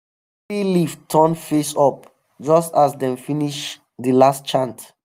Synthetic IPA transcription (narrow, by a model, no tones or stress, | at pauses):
iliftʰɔ̃nfesɔp̚ | d͡ʒɔstasdɛ̃mfiniʃ | dəlastt͡ʃãnt